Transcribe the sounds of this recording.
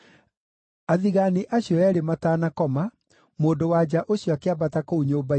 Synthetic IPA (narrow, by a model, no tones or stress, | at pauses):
aðiɣaniʔaɕjɔɛɾemataːnakɔma | moːndowad͡ʑaʔoɕjɔakeabatakouɲoːba